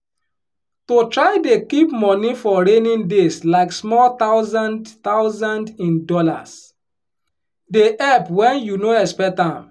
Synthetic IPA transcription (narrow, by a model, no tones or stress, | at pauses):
totɹaɪdekipmɔnifɔɹẽnĩndeslaɪksmɔlt̪aʊzãndt̪aʊzãndĩndɔla̰s | deʔɛpwɛ̃njunoɛspɛk̚tãm